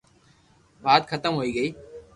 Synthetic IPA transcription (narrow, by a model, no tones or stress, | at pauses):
baːt̪xʰət̪əmɦoːiːɡəiː